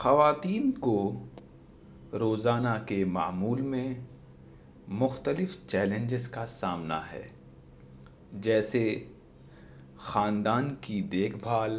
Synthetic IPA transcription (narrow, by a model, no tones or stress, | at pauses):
xɐʋaːt̪iːnko | ɾoːzaːnakema̰ːmuːlmẽ | mʊxt̪əlɪft͡ʃɛːlẽɲd͡ʒɪzkasaːmna̰ɦɛ̰ː | d͡ʒɛːse | xãːnd̪aːnkid̪eːkʰbʱaːl